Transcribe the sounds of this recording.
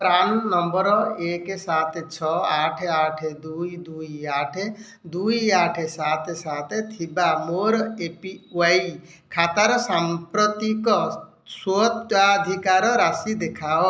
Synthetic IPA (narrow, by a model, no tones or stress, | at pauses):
pɾanːɔmbɔɾɔekesat̪ʰet͡ʃʰɔaːʈʰaʈʰed̪uid̪uiaːʈʰe | d̪uijaːʈʰesat̪ʰesat̪ʰet̪ʰibamoɾepiai | kʰat̪aɾsampɾɔt̪ikɔ | sot̪ad̪ʱikaɾɔɾasid̪ekʰao